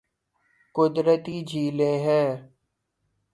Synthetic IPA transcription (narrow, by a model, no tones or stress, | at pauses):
kʊd̪ɾət̪iːd͡ʒʱiːlẽːɦɛ̃ː